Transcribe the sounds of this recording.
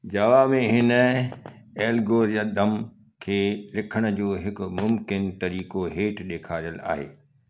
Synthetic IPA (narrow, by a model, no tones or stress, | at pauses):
d͡ʑaːʋamẽɦɪnə | eːlɡoːɾjaːd̪ɐm | kʰeːlɪkʰəɽ̃ʊ̆d͡ʑoːɦɪkʊ̆mʊmkɪnt̪ɐɾiːkoɦeːʈʰɗeːkʰaːɾijəla̰ːɦḛː